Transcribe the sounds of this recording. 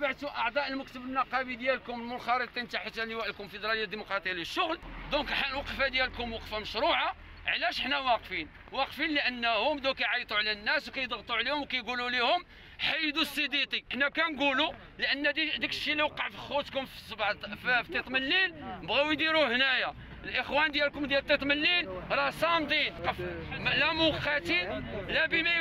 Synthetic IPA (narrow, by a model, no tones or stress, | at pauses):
baʕt̪uʔɑʕd̪ˤɑʔəlmʊkt̪əbənːɑqɑbid̪jælkʊməlmʊnxɑɾˤət̪ˤint̪aħət̪ænːiwæʔəlkʊnfəd̪ɾˤɑləjːad̪ːimuqɾˤɑt̪ˤijaləʃːʊɣld̪ɔ̃kħalwɑqfad̪jælkʊmwɑqfaməʃɾuʕa | ʕlæʃəħnæwɑqfin | wɑqfinləʔənːhʊmd̪ukæjʕɑjt̪ˤuʕlænːæswkæjəd̪ˤəɣt̪ˤuʕlihʊmwkæjɡululihʊm | ħajəd̪usˤːid̪it̪ˤiənːækænɡulu | ləʔənːæd̪id̪ikʃiliwqːɑʕfixut̪kʊmfsbfft̪it̪ˤməlːiləbɣæwjd̪iɾuhnæja | əlʔəxwænd̪jælkʊmd̪jælət̪ːit̪ˤməlːilɾˤɑsɑmd̪ˤinqəflæmʊqːæt̪ilæbimæ